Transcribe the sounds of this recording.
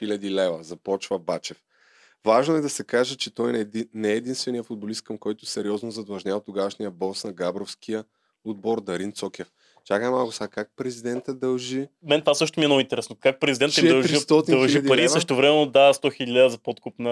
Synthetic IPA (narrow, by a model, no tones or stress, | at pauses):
ilʲɐd̪ilɛvəzɐpɔt͡ʃvəbat͡ʃɛf | vaʒnoɛd̪ɐsɛkaʒɛt͡ʃɛt̪ɔjnɛːd̪inst̪vɛnijəfʊd̪̚bolist̪̚kɐmkɔjt̪ʊsɛɾiɔznozɐd̪lˠɐʒnʲavət̪ʊɡavəʃnijəbɔsnɐɡabɾofskʰijə | ʊd̪̚bɔɾd̪ɐɾint̪sɔkʲɛf | t͡ʃakəɛmalˠkʊsakak̚pɾɛzid̪ɛnt̪əd̪ɐlˠʒi | mɛnt̪vasɤʃ̬t̪omiɛnɔvʊint̪ɛɾɛsnokak̚pɾɛzid̪ɛnt̪d̪ɐlˠʒɾist̪ɔt̪did̪ɐlˠʒipɐɾisəʃ̬tt̪ovɾɛmɛnod̪ast̪ɔxilladəzɐpɔt̪kupnə